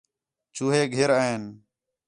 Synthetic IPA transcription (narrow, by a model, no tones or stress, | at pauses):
t͡ʃuːɦeːɡʱeɾaːeːn